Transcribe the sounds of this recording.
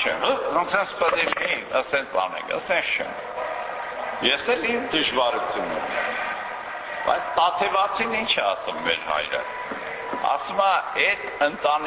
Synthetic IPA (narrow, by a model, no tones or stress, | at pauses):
t͡ʃʰɛ̰mɦəənsʰɛnt͡sʰpəd̪iliə̰sɛnt͡sʰɑ̰nɛ̰ŋkə̰sɛnst͡ʃʰɛ̰m | jɛsɛlimd̪əʒvɑɾut͡sʰununɛm | b̥ɑ̰jt͡sʰt̪ɑt̪ʰɛvɑt͡sʰinint͡ʃʰɛɑsumːɛ̰ɾhɑ̰jɾə̰ | ɑ̰sumɑɛt̪ənt̪ɑn